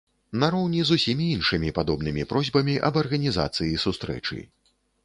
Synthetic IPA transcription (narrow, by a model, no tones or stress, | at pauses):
nɐɾɔwnʲizusʲimʲiinʂɨmʲipad̪ɔbnɨmʲipɾɔzʲbɐmʲiʔɐ̰bɐrɣɐnʲiza̰t̪sɨjisust̪ɾɛ̰t͡ʂɨ̰